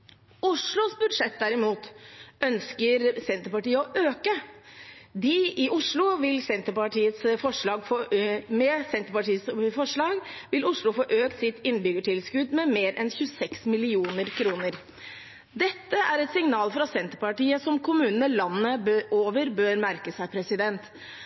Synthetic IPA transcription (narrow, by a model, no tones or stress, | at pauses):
ʊʂɭʊsbʉd̪ʂɛt̪̚d̪æɾɪmuːt̪œnskəɾsɛnt̪əɾpɑʈiːəɔʔøːkə | d̪ɪɪʔʊʂɭʊʋɪlsɛnt̪əɾpɑʈiːət̪sfɔʂɭɑːɡfɔmɛsɛnt̪əɾpɑʈiːəsfɔʂɭɑːɡʋɪlʊʂɭʊfɔʔøːkt̪sɪt̪ɪnːbʏɡəʈɪlskʉd̪mɛmeːɾʔɛnçʉːsɛksmɪlɪuːnəɾkʰɾuːnəɾ | d̪ɛt̪ːəæɾɛt̪sɪŋnɑːlfɾɑsɛnt̪əɾpɑʈiːəsɔmkʰʊmʉːnənəlɑnːəbøʔoːʋəɾbøːɾmæɾkəsæɪpʰɾɛsɪd̪ɛnt̪